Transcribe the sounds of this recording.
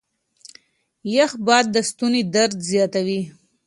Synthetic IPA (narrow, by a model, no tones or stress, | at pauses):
jaxbɑd̪̚ːəst̪unid̪aɾd̪zjɑt̪awi